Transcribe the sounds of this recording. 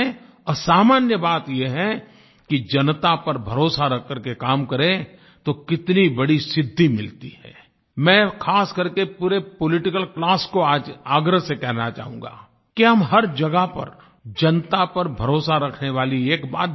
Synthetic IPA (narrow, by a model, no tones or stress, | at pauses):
ɔɾsaːmaːnjəbaːt̪jeɦɛ | kid͡ʒɐnt̪apɐɾbʱɐɾoːsaɾɐkʰːəɾkekaːmkɐɾẽ | t̪okɪt̪nibɐɽisɪd̪ʱːimɪlt̪iɦɛ̰ː | mɛ̃ːkʰaːskɐɾkepuːɾepolɪʈɪkəlklaːskoaːd͡ʒaːɡɾəɦsekɛɦnat͡ʃa̰ːɦũːŋ̆ɡa̰ː | kiɦɐmɦɐɾd͡ʒɐɡapɐ̰ɾ | d͡ʒɐnt̪apɐɾbʱɐɾoːsaɾɐkʰneʋaːlieːkba̰ːt̪̚